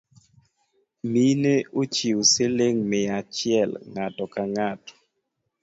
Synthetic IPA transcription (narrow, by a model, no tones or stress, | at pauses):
mineot͡ʃioseleŋmɪat͡ʃɪɛlŋatɔkaŋatɔ̥